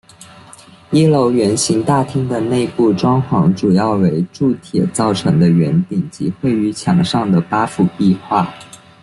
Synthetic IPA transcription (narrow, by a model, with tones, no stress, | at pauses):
i˥lo˧˥ʊɥɛ˧˥nɕi˧˥ŋt̪a˥˩t̪ʰi˥ŋd̪ə˨ne˥˧ɪpu˥˩ʈ͡ʂwɑ˥ŋxwɑ˧˥ŋʈ͡ʂu˨˩jɑ˥˩ʊwe˧˥ɪʈ͡ʂu˥˩t̪ʰjɛ̰˨˩t͡sɑ˥˩ʊʈ͡ʂʰɤ˧˥ŋd̪ə˧ɥɛ˧˥nt̪i˨˩ŋt͡ɕḭ˧˥xwe˥˩ɪy˧˥t͡ɕʰjɑ˨˧˩ŋʂɑ˥˩ŋd̪ə˩pa˥fu˨˩pi˥˧xwa˥˩